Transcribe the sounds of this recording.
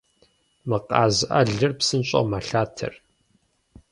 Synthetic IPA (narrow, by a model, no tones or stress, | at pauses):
mɨqɑːzɨʔɐ̰ɮɨrpsɨnɕʼɐ̰maɬaːtʰɨ̰r